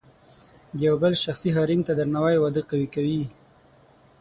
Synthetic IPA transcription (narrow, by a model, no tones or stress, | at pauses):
d̪əjawbəlʃaxsiɦɑɾimt̪ad̪əɾnawajwad̪əqawikawi